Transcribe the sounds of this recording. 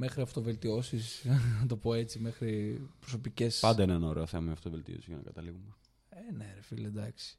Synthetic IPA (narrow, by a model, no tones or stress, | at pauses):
me̞xɾiɐft̪o̞ve̞lt̪io̞sisnɐt̪o̞po̞e̞t͡sime̞xɾipɾoso̞pice̞spɐnd̪ɐinenɐoɾe̞oθemɐmɐft̪ove̞lt̪ḭo̞sizʝɐnɐ̰kɐt̪ɐliɣume | eneɾefiled̪ɐksi̥